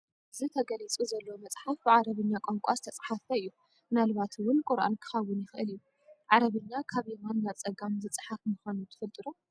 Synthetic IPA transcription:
ɨzit̪ʰɐɡɐlit͡sʼuzɐlːomɐt͡sʼħafbɨʕaɾɐβɨɲːakʷʼoŋkʷʼazɨ̥t̪ʰɐt͡sʼħafɐɨjːu | nalɨβat̪ʰwʊnkʷʼʊɾʔa̰nkʰɨ̥xɐwːʊnjɪxɨʔɨ̰lijːu | ʕaɾɐβɨɲːakʰaβemanːaβt͡sʼɐɡamzɨt͡sʼɨħafmɨxonut̪ʰɨ̥fɨlt̪ʼɨɾu

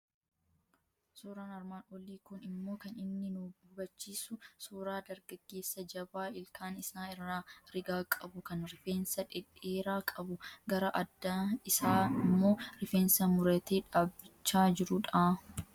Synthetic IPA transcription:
soːɾaːnɐɾmaːnɔliːkʊnɪmːo̞ːkɐnɪnːɪnuːbʊbɐt͡ʃːiːsʊsoːɾaːd̪ɐɾɡɐɡːe̞ːsːɐd͡ʒɐbaːɪlkʰaːnɪsaːɪrːaːɾɪɡaːkʼɐbʊkɐnɾɪfe̞ːnsɐᶑɪᶑeːɾaːkʼɐbʊɡɐɾɐʔɐd̪ːaːɪsaːɪmːo̞ːɾɪfe̞ːnsɐmʊɾɐt̪eːᶑaːbːɪt͡ʃːaːd͡ʒɪɾʊᶑaː

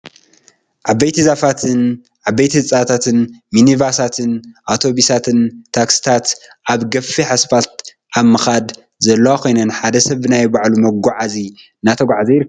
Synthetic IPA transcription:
ʕabɐjt̪ʰizafat̪ʰɨn | ʕabːɐjt̪ʰhɨt͡sʼat̪ʰat̪ʰɨnminivasat̪ʰɨnʔawt̪ʰo̞βisat̪ʰɨnt̪ʰaksi̥t̪ʰat̪ʔaβɡɐfːiħasfat̪̚ | ʔaβmɨxad̪ | zɐlːɐwakʰo̞jnɐnħad̪ɐsɐβɨnajbaʕlumɐɡʷaʕazi | nat̪ʰɐɡʷʕazɐjɾɨkː

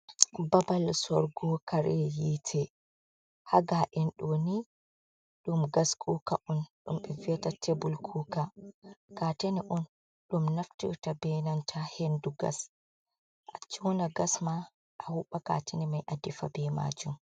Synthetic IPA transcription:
babalsɔɾɡɔkʰaɾɛjitʰɛ | haɡaʔɛnɗoni | ɗumɡaskʰʼukaʔɔnɗumɓɛviɛtatʰebulkʰuːkakateniʔɔn | ɗumnaftḭwtabɛnantʰahenduɡa̰s | ʔat͡ʃɔnaɡasma | ʔahuɓaka̰ːtʰenimajʔadifa̰bɛma̰d͡ʒum

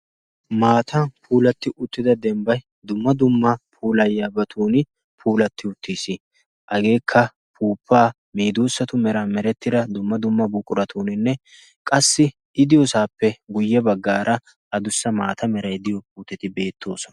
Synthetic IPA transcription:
maːt̪ʰɐpʰuːlɐt̪ːɪʔʊt̪ːɪd̪ɐd̪ɛmbɐj | d̪ʊmːɐd̪ʊmːɐpʰuːlɐjːaːbɐt̪ʰuːnɪ | pʰuːlɐt̪ːɪʊt̪ːiːsi | ʔɐɡe̞ːkʰːɐ | pʰuːpʰːaː | miːd̪uːsːɐt̪ʊmɛɾɐmɛɾɛt̪ːɪd̪ɐd̪ʊmːɐd̪ʊmːɐbʊkʼʊɾɐt̪uːnɪnːɛ | kʼɐsːɪ | ɪd̪ɪjɔsaːpːɛɡʊjːɛbɐɡːaːɾʔɐ | ɐd̪ʊsːɐmaːt̪ʰɐmɛɾɐjd̪ɪjɔpuːt̪ːɛt̪ɪbe̞ːt̪ʰːo̞ːsɔnɐ̥

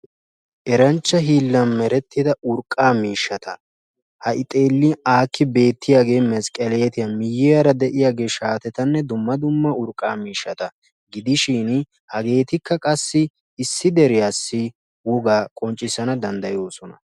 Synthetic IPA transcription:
ʔɛɾɐnt͡ʃːɐɦiːlːɐnmɛɾɛt̪ːɪd̪ɐʔʊɾkʼːaːmiːʃːɐt̪ʰɐ | hɐʔɪt̪ʼeːlːiaːkːɪbe̞ːt̪ːɪjaːɡe̞ːmɛskʼɐlɛjɛt̪ɪjɐmɪjːɛjɐɾɐd̪ɛʔɪjaːɡe̞ːʃaːt̪ɛt̪ɐnːɛd̪ʊmːɐd̪ʊmːɐʊɾkʼːaːmiːʃːɐt̪ɐ | ɡɪd̪ɪʃiːn | hɐɡe̞ːt̪ɪkʰːɐkʼɐsːɪː | sːɪd̪ɛɾɪjaːsːɪ | wɔɡaːkʼɔnt͡ʃʼːɪsɐnɐd̪ɐnd̪ɐjo̞ːsɔnɐ

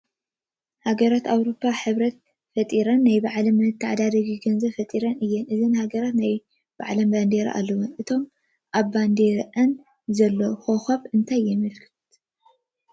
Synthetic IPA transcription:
haɡɐɾat̪awɾo̞pʰːaħɨβɾɐt̪̚ | fɐt̪ʼiɾɐnːajbaʕlɐmːɨt̪ʰːaʕd̪aɾiɡiɡɐnzɐβfɐt̪ʼiɾɐnɨjːɛnʔɨzɨnhaɡɐɾat̪naj | b̥a̰ʕlɐmband̪eɾ̰ʔa̰lːɐwunʔɨt̪ʰo̞m | ʔaβːand̪eɾʔɐn | zɐlːoxoxaβɨnt̪ʰajːɛmɨlkʰɨ̥t̪

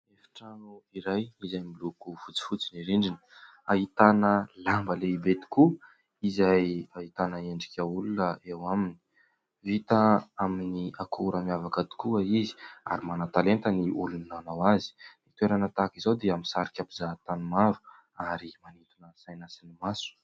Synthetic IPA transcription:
efi̥ʈ͡ʂanuiɾajizajmilukufut͡si̥fut͡siniɾeɳɖ͡ʐini̥ | aɦit̪anəlambəleibet̪i̥ku | izajaɦit̪anəeɳɖ͡ʐikʲaulunəʔewamini̥ | vit̪aaminiakʰuɾəmiavakat̪i̥kuəizi̥a̰ɾimanat̪alent̪əniʔulunnanawazi̥nit̪uweɾanət̪akizawd̪eamisaɾikʲapizaɦt̪anumaɾu̥ | aɾimanit̪unəsajnasinimasu̥

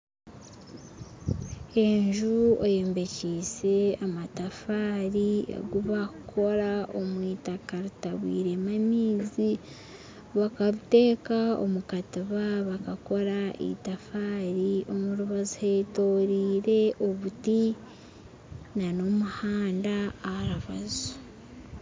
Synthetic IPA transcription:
e̞ɲʒuoje̞ːmbe̞ciːse̞amatafaːɾiḛɡuβakʰo̞ɾao̞mwiːtakaɾitaβwḭːɾe̞mamiːzi | βakaβute̞ːkao̰mukatiβaβakako̞ɾaḭtafaːɾio̞muɾuβazuheto̞ːɾiːɾe̞ʔo̞βuti | nano̞muhaːndaːhaɾaβa̰zo̥

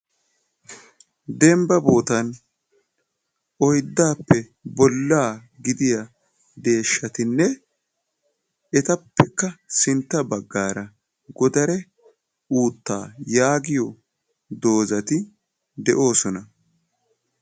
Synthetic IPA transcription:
d̪ɛmbɐbo̞ːt̪ɐn | ʔɔjd̪ːaːpːɛ | bɔlːaː | ɡɪd̪ɪjɐ | d̪e̞ːʃːɐt̪ɪnːɛ | ɛt̪ɐpːɛkːɐsɪnt̪ːɐbɐɡːaːɾɐ | ɡɔd̪ɐɾɛ | uːt̪ːa̰ːjaːɡɪjɔ | d̪o̞ːzɐt̪ɪ | d̪ɛʔo̞ːsɔnɐ

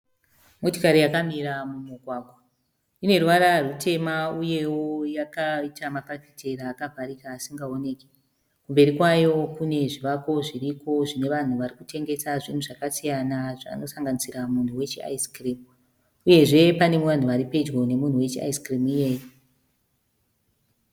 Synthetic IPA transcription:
motokaɾijakamiɾamumuɡʱwaːɡʱwa | ine̞rwaɾarutʰe̞mauje̞wojakaitamaparfitʰe̞ɾaːkaɦwaɾikaːsiŋɡao̞ne̞ːke̥ | kumbe̞ɾikwajo̞kune̞ʐiʋako̞ʐiriko̞ʐine̞ʋan̤uʋarikute̞ŋɡe̞saʐin̤uʐakasijanaʐa̰ːno̞saŋɡanisiɾamun̤uwe̞t͡ʃia̰iskrim | uje̞ʐe̞pane̞muʋan̤uʋaɾipe̞d͡ʒɡo̞ne̞mun̤uwe̞t͡ʃia̰iskrimije̞ːjo

